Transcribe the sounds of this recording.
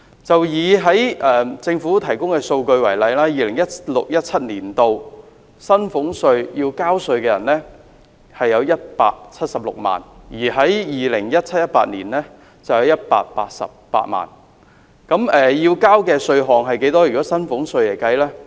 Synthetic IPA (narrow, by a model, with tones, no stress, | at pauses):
t͡sɐ˨wjiː˨ɦɐ˨˥jʔɛː˨t͡sɪ˧ŋfuː˨˥t̪ʰɐ˨˩jkʊ˥ŋkɛː˧so˧wkɵ˧ɥwɐ˨˩jlɐ˨˧jlaː˥jiː˨lɪ˨˩ŋjɐ˥t̚lʊ˨k̚jɐ˥t̚t͡sʰɐ˥t̚niː˨˩nt̪o˨w | sɐ˥nfʊ˨˥ŋsɵ˧ɥjiː˧wkaː˥wsɵ˧ɥkɛː˧jɐ̰˨˩nlɛː˥ | hɐ˨jːɐ˨˧wjɐ˥t̚pa̰ː˧k̚t͡sʰɐ˥t̚sɐ˨p̚lʊ̰˨k̚ma̰ː˨njiː˨˩ɦɐ˨˥jjiː˨lɪ˨˩ŋjɐ˥t̚t͡sʰɐ˥t̚jɐ˥t̚pa̰ː˧t̚niː˨˩nlɛː˥ | t͡sɐ˨wjɐ˨˧wjɐ˥t̚pa̰ː˧t̚paː˧t̚sɐ̰˨p̚ːa̰ː˧t̚ma̰ː˨n | kɐ˨˥mɛː˨jiː˧wkaː˥wkɛː˧sɵ˧ɥɦɔː˨˩ŋɦɐ˨jke˨˥jt̪ɔː˥jyː˨˩kɔː˨˦˥sɐ˥nfʊ˨˥ŋsɵ˧ɥjɐ˨˩jkɐ˥jlɛː˥